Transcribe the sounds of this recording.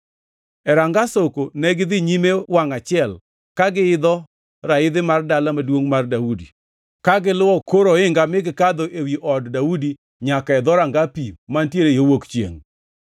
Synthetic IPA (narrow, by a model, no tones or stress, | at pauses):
ɛɾaŋɡasokonɛɡɪd̪ɪɲimewaŋat͡ʃɪɛl | kaɡɪɪd̪ɔ | ɾaɪd̪ɪmardalamadwoŋmardaudi | kaɡɪlʊwɔkoɾoɪŋɡamɪɡɪkad̪oʔewiʔɔddaudi | ɲakaɛd̪ɔɾaŋɡapimantjeɾejowokt͡ʃjḛŋ